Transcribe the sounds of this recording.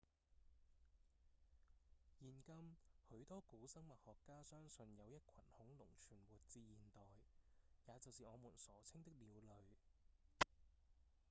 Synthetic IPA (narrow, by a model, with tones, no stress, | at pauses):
jiː˨˧nkɐ˥mhɵ˨˥ɥt̪ɔː˥kuː˨˥sɐ˥ŋmɐ˨t̚hɔː˨kːaː˥sœː˥ŋsɵ˧njɐ˨˧wjɐ˥t̚kʰɐ̰˨˩nhʊ˨˥ŋlʊ˨˩ŋt͡ʃʰyː˨˩nwuː˨˩t̚t͡siː˧jiː˨˩nt̪ɔː˨jjaː˨˧t͡sɐ˨wsiː˨ŋɔː˨˧muː˨˩nsɔː˨˥t͡sʰɪ˥ŋt̪ɪ˥k̚liː˨˧wlɵ˨˧ɥ